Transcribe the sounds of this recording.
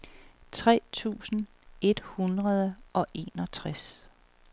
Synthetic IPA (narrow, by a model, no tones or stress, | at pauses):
t͡sʰʁɛ̰ːt͡sʰṵːsn̩ | e̝d̥hunʁɐð̞ˠəʔɒ̽ʔe̝nɒt͡sʰʁas